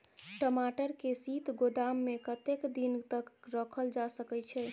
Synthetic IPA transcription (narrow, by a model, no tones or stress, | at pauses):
ʈəmaʈəɾkesit̪ɡod̪amːekət̪ekd̪int̪əkɾəkʰəld͡ʒasəkɛt͡ʃʰɛ